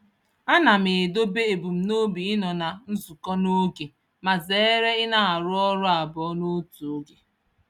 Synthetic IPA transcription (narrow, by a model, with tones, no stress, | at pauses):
a˦na˨m̩e˨e˨do˦be˦e˨bu˨m̩˦no˦bi˨ɪ˦nɔ˨na˨n̩˦zu˨kɔ˦no˦ɡe˨ | ma˨ze˨˦ɾe˦ɪ˦na˦a˨ɾʊ˦ɔ˦ɾʊ˦a˨bɔ˨˦no˦tu˨o˦ɡe˨